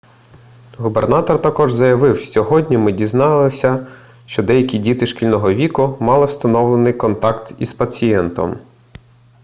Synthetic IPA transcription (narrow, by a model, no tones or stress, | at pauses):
ɦubernɑt̪ɔrt̪ɐkɔʒzɐjɐʋɪwsʲɔɦɔdʲnʲimɪdʲiznɑlˠɪsʲɐ | ʃt͡ʃɔd̪ɛjɐkʲidʲit̪ɪʃkʲilʲnɔɦɔʋʲikʊmɑlˠɪwst̪ɐnɔʋlˠenɪjkɔnt̪ɑkt̪ispɐt͡sʲijɛnt̪ɔ̰m